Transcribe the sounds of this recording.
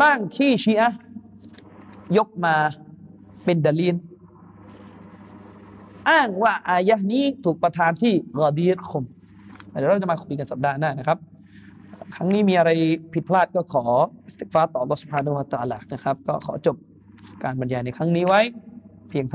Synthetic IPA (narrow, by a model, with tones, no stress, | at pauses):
baː˥˩ŋt̪ʰiː˥˩ɕi˧˥ʔa˦˥ | jo˦˥k̚maː˧ | pe˧ndaː˧liː˦˥l | ʔaː˥˩ŋwaː˥˩ʔaː˧ja˦˥niː˦˥t̪ʰuː˨˩k̚pɾa˧t̪ʰaː˧nt̪ʰiː˥˩ɣa˧˩d̪iː˦ɾxʰo˧m | a˧˩ɛː˨˦ɾa˥˩t͡ɕa˨ma˧ko˧˩iː˧ka˧nsa˨˩p̚daː˧naː˥˩na˦˥kʰa˦˥p̚ː | kʰɾa˦˥ŋniː˦˥miː˧ʔa˧ɾa˧jpʰi˨˩t̪̚pʰlaː˥˩t̪̚kɔː˥˩kʰɔː˩˦ʔi˦˩st̪e˨˩faː˦˥t̪ɔː˨˩ʔlːɔː˦˥su˩p̚haː˧na˧hu˧a˧˩t̪aː˧laː˧na˦˥kʰa˦˥p̚kɔː˥˩kʰɔ̰ː˩˦t͡ɕo˨˩p̚ | kaː˧nba˧njaː˧˩na˧jkʰɾa˦˥ŋniː˦˥wa˦˥jpʰi˧əŋt̪ʰ